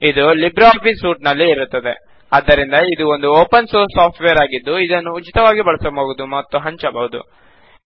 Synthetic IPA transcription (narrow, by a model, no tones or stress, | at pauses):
id̪ulibɾapisuːʈ̚nɐlːiːɾut̪ːɐd̪e̞̰ | ɐd̪ːɐɾind̪ɐid̪uo̞nd̪uoːpɐnsoːɾsaːpʰʈʋeːɾaːɡid̪ːuid̪ɐnːuːt͡ʃit̪ɐʋaːɡibɐɭɐsɐmoːɡud̪umɐt̪ːuɦɐɲt͡ʃɐbɐʋud̪ṵ